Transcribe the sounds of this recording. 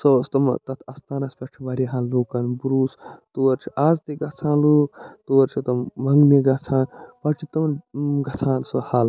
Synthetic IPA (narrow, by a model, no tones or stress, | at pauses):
sɐst̪ɐmt̪ɐt̪ʰɐst̪aːnɐspʲɐt͡ʃʰibɐɾiɦaːlːuːkɐnbuɾuːst̪oːɐɾt͡ʃʰi̥ʔaːzt̪iɡɐt͡sʰãːlut̪oːɾt͡ʃʰit̪ɐmɐŋɡneɡɐt͡sʰãːnpɐt͡ʃʰit̪ɐmnɡɐt͡sʰãːnsohaːl